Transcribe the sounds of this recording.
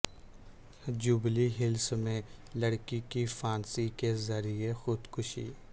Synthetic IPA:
d͡ʒʊbliɦɪlsmẽlɐɽkikifaːnsikezɐɾiexʊd̪kʊʃḭː

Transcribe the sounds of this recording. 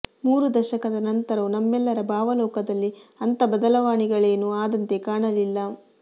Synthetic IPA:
muːɾud̪ɐʃɐkɐd̪ɐnɐnt̪ɐɾɐʋunɐmːɛlːɐɾɐbʱaːʋɐlɔːkɐd̪ɐlːiɐnt̪ɐbɐd̪ɐlɐʋaːɳiɡɐɭe̞ːnuaːd̪ɐnt̪e̞kaːɳɐlilːɐ

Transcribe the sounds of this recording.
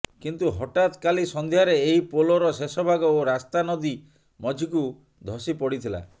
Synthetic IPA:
kint̪uɦɔʈat̪kalisɔnd̪ʱijaɾeeɦipolɔɾɔsesɔbʱaɡɔoɾast̪anɔd̪i | mɔd͡ʒʱiku | d̪ʱɔsipɔɽit̪ʰila̰

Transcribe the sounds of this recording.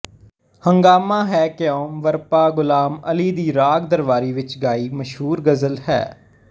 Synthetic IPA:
həŋɡaːmãːɦɛːkɪjõːmʋəɾpaːɡʊlaːməliːd̪iːɾaːɡd̪əɾʋaːɾiːʋɪt͡ʃɡaːiːməʃɦuːɾɡəzəlhɛ̰ː

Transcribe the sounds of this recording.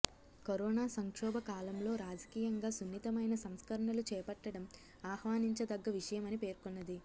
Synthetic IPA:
koɾɔːnaːsɐŋkʂɔːbʱɐkaːlɐmlo̞ːɾaːd͡ʒɐkiːjɐŋɡaːsunːit̪ɐmɐjnɐsɐmskɐɾɐɳɐlut͡ʃɛːpɐʈːɐɽɐm | aːhʋaːniɲt͡ʃɐd̪ɐɡːɐʋiʂɐjɐmɐnipe̞ːɾkonːɐd̪i

